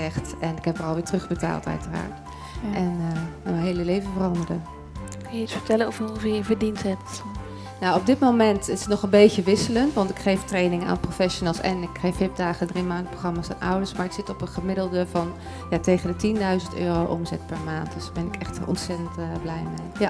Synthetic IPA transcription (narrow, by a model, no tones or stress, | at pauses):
ɛχtɛnɪkɦɛpfoːrɑlˠʋɪːɹtrɵχəbəta̰ːlˠtœ̰ɥtəra̰ːɹt | ʔɛnənonɦejləlejvəvərɑndəɹdə | kɵnjəisfəɹtɛlənɔffjəvəɹdintɦɛp̚t | nawɔb̚dɪtmomɛntɪsətnɔχənbejcəʋɪsələntʋɑntɪkχejftrejnɪŋa̰ːnprofɛʃonəlˠsɛ̰nɪkχejfhɪp̚daːχəndrimaːndəproxχrɑmaːsa̰nʌwdəɹsmaːɹɪksɪtɔpənχəmɪdəlˠdəvɑn | jatejχəndətindœɥzəntø̰ːrowʔɔmzɛ̰t̚pɛɹmaːnt̚d̥øsbɛnɪkɛχtɔ̰ntsɛtəntblɛjme | ja